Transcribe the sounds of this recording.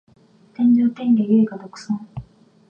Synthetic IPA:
t̪ẽɲd͡ʑoːt̪ẽŋɡeɡeːɡad̪okɯ̟̥sãŋ

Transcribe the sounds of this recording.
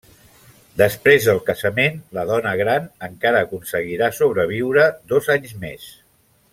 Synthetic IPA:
d̪əspɾezðəlˠkəzəmenləðɔnəɣɾanəŋkaɾəːkunsəɣiɾasoβ̞ɾəβ̞iwɾəd̪ozaɲzmḛs

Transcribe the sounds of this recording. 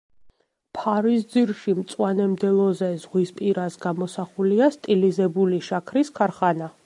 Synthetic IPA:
pʰaɾisd̪ziɾʃimt̪sʼwanɛmd̪ɛlˠɔzɛzʁwispʼiɾasɡamɔsaχuliast̪ʼilizɛbuliʃakʰɾiskʰaɾχana

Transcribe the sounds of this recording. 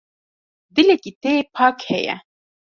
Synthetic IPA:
d̪ɨlekit̪eepʰɑːkhɛjɛ̰

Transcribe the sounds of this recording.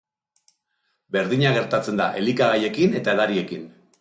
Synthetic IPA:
be̞ɾðiɲaɣ̞e̞ɾt̪at͡se̞nd̪a̰ʔe̞likaɣaje̞kine̞t̪aeðaɾie̞kin

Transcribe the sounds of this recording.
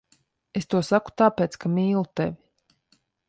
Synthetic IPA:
est̪uɔsaku̥t̪aːpeːt̪skamiːlˠut̪ḛvʲi

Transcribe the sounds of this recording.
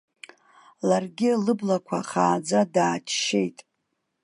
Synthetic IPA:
larɡʲɪlɨblakʷʰaχaːd͡zadaːt͡ʃʰʃe̞jtʼ

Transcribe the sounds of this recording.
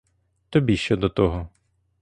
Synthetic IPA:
t̪ɔbʲiʃt͡ʃɔd̪ɔt̪ɔɦɔ

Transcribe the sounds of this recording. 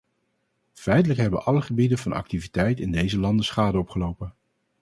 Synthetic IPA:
fɛjtələkɦɛbəʔɑləχəbidənvɑnɑ̰k̚tivitɛjtɪndejzəlɑndəsχaːdəɔpχəlowpən

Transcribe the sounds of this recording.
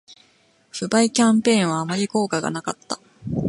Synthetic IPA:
ɸɯ̟baikʲãmpẽ̞ːɰ̃βaːmaɾʲiko̞ːkaɡa̰nakat̪ːa

